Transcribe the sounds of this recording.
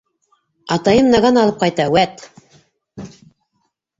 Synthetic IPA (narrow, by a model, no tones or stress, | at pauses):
ɑt̪ɑjɤmnɑʁɑnɑlˠɤp̚qɑjt̪ɑwæt̪